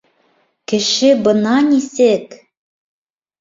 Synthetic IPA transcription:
kɘ̆ʃɘ̆bɤ̆nɑnʲisek

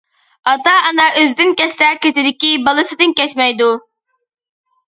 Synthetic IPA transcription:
ɑt̪ɑːnɑʔøzd̪ɪnkʲɛsɛkʲet̪ʰɪd̪ɪkʲibɑlˠɨsɨd̪ɪnkʲɛt͡ʃmɛjd̪u

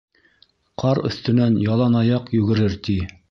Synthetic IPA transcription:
qʰɑɾɵ̰̆θt̪ɵ̆nænjɑlˠɑnɑjɑqjʉɡɘ̆ɾɘɾt̪i

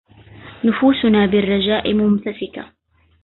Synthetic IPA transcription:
nʊfuːsʊnaːbɪrˤːɑd͡ʒaːʔɪmʊmt̪asɪka̰

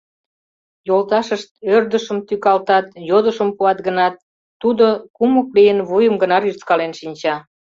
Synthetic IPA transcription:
jolt̪ɑʃəʃt̪̚ørd̪əʃəmt̪ykɑlt̪ɑt̪jod̪əʃəmpuɑt̪ɡənɑt̪̚ː | ud̪okumuklijənβujəmɡənɑryrt͡skɑlenʃinʲt͡ɕɑ

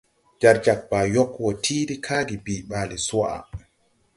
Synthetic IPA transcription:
d͡ʒaɾd͡ʒak̚baːjɔkːwɔtʰiːɾikʰaːɡibiːɓaːliswaʔa̰

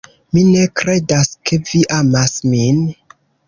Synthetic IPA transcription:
minekɾe̞daskeviʔamasmin

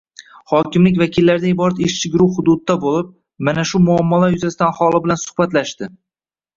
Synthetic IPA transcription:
hɒkʲɪmlɪkʲvakʲʰɪlːaɾɪd̪aɪbɒɾat̪eʃt͡ʃʰɪɡʲɾuwhʊd̪ʊd̪ɪːabolɪp̚ | manaʃʊmʊamːalajʊzasɪd̪anhɒlˠɪbɪlansʊ̥hbat̪laʃt̪ɪ

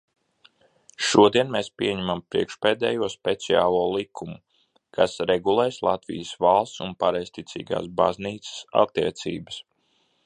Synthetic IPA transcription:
ʃuɔd̪iɛnmeːspʲiɛɲɛmampɾḭɛkʃpeːd̪ɛ̰ːjuɔspɛt̪sia̰ːlˠuɔːlˠikʰumu | kʰasɾɛɡulˠeːslˠat̪vḭjəsvalˠst̪sunpaɾɛjst̪it̪sḭːɡa̰ːsba̰zniːt̪sə̥sa̰t̪ːiɛt̪sḭːbəs

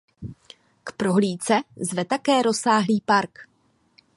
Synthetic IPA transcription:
kpɾo̞ɦliːt͡sɛzvɛt̪akɛːɾo̞saːɦliːpaɾk

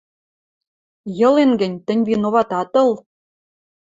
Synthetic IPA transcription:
jɤ̆lenɡɘ̆nʲt̪ɘ̆nʲvinoβɑt̪ɑt̪ɤ̆l

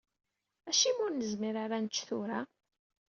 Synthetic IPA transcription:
æʃimʊɾnəzmiɾaɾanət͡ʃːθʊɾa

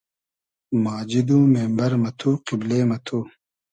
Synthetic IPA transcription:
maːd͡ʑid̪uːmeːmbɐɾmɐt̪ʰuqibleːmɐt̪ʰu

